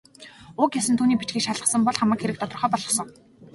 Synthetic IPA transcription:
ʊːkjasənt̪ʰuːniːpit͡ɕɡiːkʃaɮʁə̆sə̆mpɔɮχamə̆kxeɾɘ̆kt̪ʰɔt̪ɞ̆χœːpɔɮʁɞ̆χsɞ̆ŋ

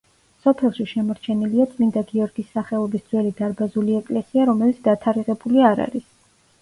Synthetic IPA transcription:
sɔpʰɛlˠʃiʃɛmɔɾt͡ʃʰɛniliat̪sʼlind̪aɡiɔɾɡisːaχɛlˠɔbisd̪z̥wɛlid̪aɾbazuliɛkʼlɛsiaɾɔmɛlit̪sd̪̥at̪ʰaɾiʁɛbuliaɾa̰ɾis

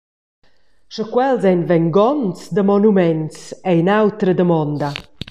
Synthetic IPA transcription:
ʃəkwɛlˠzɛnvɛnɡɔntd̪əmɔnumɛntejnawtɾədəmɔnda

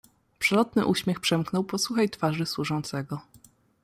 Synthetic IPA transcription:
pʂɛlɔt̪nɘʔuɕmʲjɛxpʂɛmknɔwpɔswuxajt̪faʐɘswuʐɔnt̪sɛɡɔ

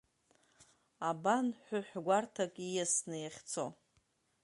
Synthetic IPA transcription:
abanħʷᶣʊħʷɡʷartʰakʼijasnɨjaχʲt͡sʰo

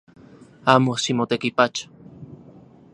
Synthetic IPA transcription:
amosimot̪ekipat͡ʃḁ

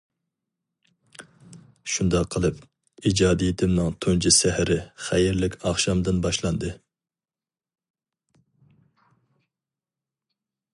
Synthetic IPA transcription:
ʃund̪ɑqʰːəlˠɨp | id͡ʒɑːd̪ijit̪ʰɪmnɨŋt̪ʰont͡ʃʰisɛhɾɪχæjɪɾlɪkʲʰɑχʃɑmd̪ɨnbɑʃlˠɑnd̪ɨ

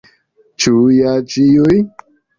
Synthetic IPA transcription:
t͡ʃujat͡ʃiuj

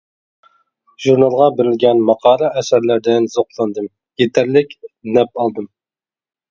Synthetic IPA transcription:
ʒuɾnɑlˠʁɑbɪɾɪlɡʲɛnmɑqʰɑːɾɑʔɛsæɾlæɾd̪ɪnzoqlˠɑnd̪ɨm | jet̪ʰæɾlɪkʲnɛp̚ɑlˠd̪ɨm

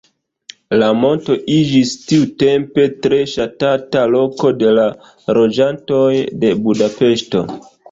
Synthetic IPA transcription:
lamo̞nto̞ʔid͡ʒistiute̞mpe̞tɾe̞ʃatatalo̞ko̞de̞la | ɾo̞d͡ʒanto̞jde̞budape̞ʃto̞̰

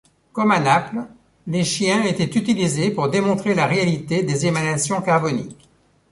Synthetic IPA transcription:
kɔmanapl | leʃjɛ̃et̪ɛt̪yt̪ilizepuʁd̪emɔ̃t̪χelaʁealit̪ed̪ezemanasjɔ̃kaʁbɔnḭkʲ

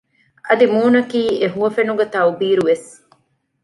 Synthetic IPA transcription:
ɐd̪imuːnɐkiːeɦuɐfenuɡet̪ɐwbiːɾuʋes

